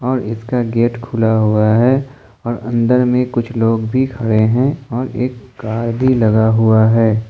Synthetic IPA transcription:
ɔːɾɪskaɡeːʈkʰʊlaɦuaɦɛː | ɔːɾɐ̰̃nd̪əɾmẽkʊt͡ʃʰloːɡbʱikʰɐɽeɦɛ̃ɔːɾeːkːaːɾbʱilɐɡaɦʊaɦɛː

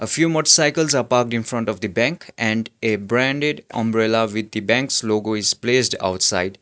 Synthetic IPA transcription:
əfjuːmɔʈəsaɪkəlzapaɾk̚ʈɪ̃nfɾʌ̃ɳʈɔʋd̪ibɛ̃ŋkʔɛ̃ɳɖebɾæ̃ɳɖeɖʌ̰̃mbɾelaʋɪd̪̚ːibæ̃ŋksloːɡoɪz̥pleːsɖa̰ʊʈsaɪɖ

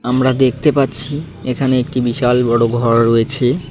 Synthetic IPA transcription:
amɾad̪ek̚ʰt̪epatːɕʰi | ekʰaneek̚ʈibiʃalbɔɽoɡʱɔɾːɔet͡ɕʰe

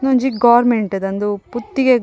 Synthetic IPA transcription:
noɲd͡ʒiɡaːʋɐɾmeɳʈed̪ɐnd̪uput̪ːiɡe

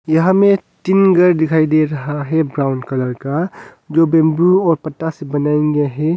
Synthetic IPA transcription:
jɐɦãmẽt̪inɡəɾd̪ɪkʰaːid̪eɾɐɦaɦɛbɾaːʊ̃ɳɖkɐləɾka | d͡ʒoːbẽːmbɾuɔːɾpɐt̪ːasebɐnaːẽŋɡeɦɛ

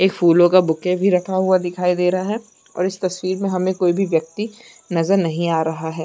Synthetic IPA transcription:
eːkfuːlokabʊkebʱiɾɐkʰaɦuad̪ɪkʰaːid̪eːɾɐɦaɦɛ | ɔ̰ːɾɪst̪ɐswiːɾmẽɦɐmẽkoːibʱiʋjɐk̚t̪i | nɐzəɾnɐɦĩaːɾɐɦaɦɛː

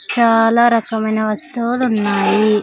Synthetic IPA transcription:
t͡ʃaːlaːɾɐkɐmɐjnɐʋɐst̪uʋɐlunːaːji

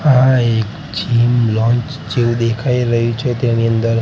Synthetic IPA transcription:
ɦaek | d͡ʒimlɔ̃ɲt͡ʃ | d͡ʒeʋũd̪ekʰaiɾəɦjũt͡ʃʰet̪eniənd̪əɾ

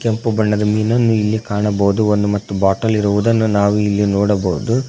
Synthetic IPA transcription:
kempubɐɳːɐd̪ɐmiːnɐnːuilːikaːɳɐbɐʋud̪uond̪umɐt̪ːubaːʈɐliɾuʋud̪ɐnːunaːʋuilːinoːɽɐbɐʋud̪u

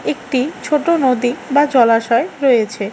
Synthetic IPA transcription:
ek̚ʈit͡ɕʰoʈonod̪ibad͡ʑɔlaʃɔeɾojet͡ɕʰe

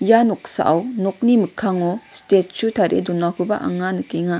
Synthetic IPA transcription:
janɔk̚sa̰ʔawnɔk̚nimɯkʰːaŋɔstet̚sutʰaɾḛdɔnakʰubaʔa̰ŋanɯkiŋa

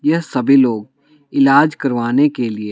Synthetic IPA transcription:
jɐɦsɐbʱiloːɡ̚ | ɪlaːd͡ʒkɐɾʋaːnekelie

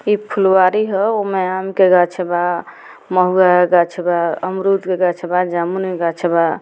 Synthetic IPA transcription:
ipʰulwaɾiɦɛomeamkeɡat͡ʃʰeba | məɦuɡaeɡat͡ʃʰebaəmɾud̪keɡat͡ʃʰebad͡ʒamuneɡat͡ʃʰeba

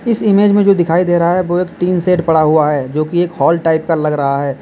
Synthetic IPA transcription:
ɪsɪmeːd͡ʒmẽd͡ʒoːd̪ɪkʰaːid̪eːɾɐɦaɦɛʋoeːkʈiːnseːʈpɐɽaɦuaɦɛːd͡ʒoːkieːkhɔːlʈaːɪp̚kalɐɡɾɐɦaɦɛː

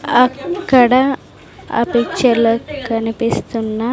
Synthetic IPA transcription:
ɐkkːɐɽɐ | ɐ̰pit͡ʃːɐlɐkɐnipist̪unːɐ

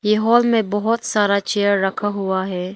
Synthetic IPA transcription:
jeɦɔːlmẽbɔɦʊt̪saːɾat͡ʃeːəɾːɐkʰaɦʊaɦɛː

